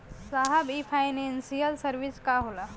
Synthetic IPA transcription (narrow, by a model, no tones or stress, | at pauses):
saːɦəbipʰaɪneːnsijəlsəɾʋɪskaɦoːlaː